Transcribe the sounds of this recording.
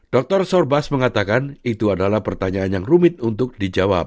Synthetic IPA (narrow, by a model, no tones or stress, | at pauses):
d̥ɔk̚t̪ɔrsɔrbasməŋat̪akanit̪uadalahpərt̪aɲaanjaŋrumɪt̪̚unt̪ʊk̚did͡ʒawa̰p̚